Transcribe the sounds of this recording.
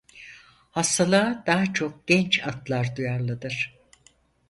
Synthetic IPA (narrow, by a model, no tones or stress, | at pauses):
hast̪ʰalˠaːd̪aːat͡ʃʰo̞k̚ɟ̥ɛnt͡ʃat̪lˠaɾd̪ujaɾlˠɯd̪ɯɾ̥